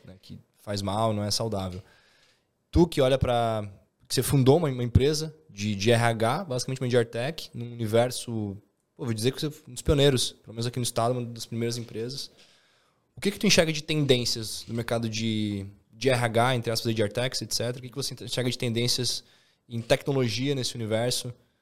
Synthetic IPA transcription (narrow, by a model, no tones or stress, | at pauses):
nɛkʰɪ | fajzmawnɐ̃w̃ɛsawd̪avew | t̪ukɪɔʎɐpɾɐ | kɪ̥sefũnd̪oũmɐ̃umɐẽpɾezɐd͡ʒɪd͡ʒɪɛɦiaɡabazikamẽtt͡ʃumɐ̃d͡ʒiaɾt̪ɛkɪ̥nũunivɛɾsʊ | povod͡ʒizeɾkɪosenʊspionejɾʊspelomẽnʊzakinʊist̪ad̪ʊũmɐd̪ɐspɾimejɾɐzẽpɾezɐs | ʊkɪkɪt̪uẽʃɛɾɡɐd͡ʒɪt̪ẽnd̪ẽsiɐsd̪ʊmeɾkad̪ʊd͡ʒɪ | d͡ʒɪɛɦaɡaẽnt̪ɾɪaspɐzɐd͡ʒiaɾt̪ɛkset̪sɛt̪eɾɐʊkɪkɪvosẽʃɛɾɡɐd͡ʒɪt̪ẽd̪ẽsiɐz | ẽt̪ɛknoloʒiɐnesɪunivɛɾsʊ